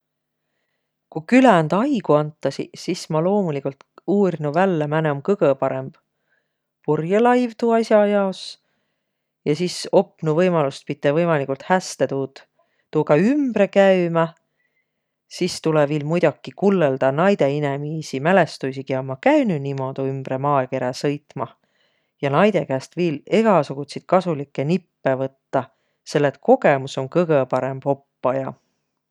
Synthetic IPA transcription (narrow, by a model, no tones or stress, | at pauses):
kukylænd̪̥ɑjɡ̥uɑnt̪ːˑɑsḭsismɑlo̞ːmulikult̪uːrinuvælːemæneomkɤɡ̥epɑɾe̞mb̥ | purjɑlɑjvt̪uɑisɑjɑo̞s | jɑsiso̞pːˑnuvɤjmɑlust̪̚pit̪ːˑevɤjmɑlikːˑult̪hæst̪et̪u | t̪uːɡɑymb̥ɾe̞kæymɑ | sist̪uleviːlmujd̪̥okːˑikulːeld̪̥ɑnɑjd̪e̞inemiːsimæle̞st̪ujsikiɑmɑkæɥnynimo̞d̪̥uymb̥ɾe̞mɑːeke̞ɾɑsɤ̞jt̪ˑmɑ | jɑnɑjd̪̥e̞kæːst̪viːle̞ɡ̥ɑsuɡ̥ut̪ʲsit̪kɑsulikːˑe̞nipːe̞vɤt̪ːɑ | se̞lːet̪̚ko̞ɡe̞muso̞nkɤɡ̥epɑɾe̞mb̥o̞pːɑjɑ